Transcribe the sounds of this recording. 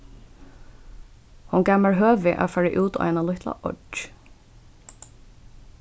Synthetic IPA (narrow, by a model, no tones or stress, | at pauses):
hʊnɡæməɹɦøːʋɪʔa̰ːfæːɹɪʔʉːt̪ɔ̰ːʔɛnalʊht̪la̰ʔɔ̰